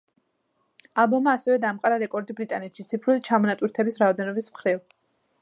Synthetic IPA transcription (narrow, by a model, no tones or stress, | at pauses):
alˠbɔmaːsɛvɛd̪amqʼɾaɾɛkʼɔɾd̪ibɾit̪ʼanɛt̪ʃit̪sʰipʰɾulit͡ʃʰamɔnat̪ʼwiɾt̪ʰɛbisɾaɔd̪ɛnɔbismχɾiv